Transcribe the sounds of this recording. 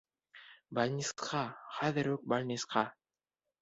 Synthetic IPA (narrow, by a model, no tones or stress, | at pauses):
balʲnʲisqɑχæðɘɾɵk̚balʲnʲisqɑ